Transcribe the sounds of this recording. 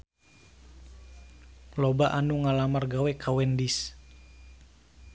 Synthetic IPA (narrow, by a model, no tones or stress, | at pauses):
lɔbaʔanuŋalamarɡawɛkʰawɛndis